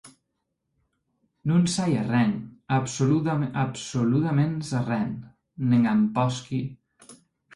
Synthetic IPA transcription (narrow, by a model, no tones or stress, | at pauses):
nunsajarɛnapsuluapsolut̪amensarɛnː | eŋampɔski